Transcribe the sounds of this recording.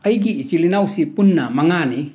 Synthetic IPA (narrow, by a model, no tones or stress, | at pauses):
ajɡiːt͡ʃilinawsipunːamaŋani